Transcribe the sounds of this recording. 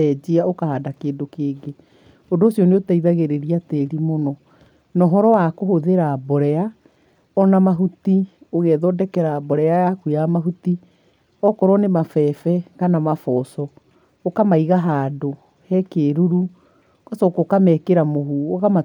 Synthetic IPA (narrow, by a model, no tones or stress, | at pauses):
ɛd͡ʒiaokahaːdakeːndokeːɡe | ondoːsjɔneotaiðaɣeɾeɾiatɛɾimonɔ | nɔɦɔɾɔwakohoðeɾaːbɔɾɛa | ɔnamaɦutioɣɛðɔdɛkɛɾaːbɔɾɛajakujamaɦuti | ɔkɔɾɔnemafɛfɛɣanamafɔsɔ | okamaiɣaɦado | hɛkeːɾuɾu | kasɔkokamɛkeɾamoɦuoɣama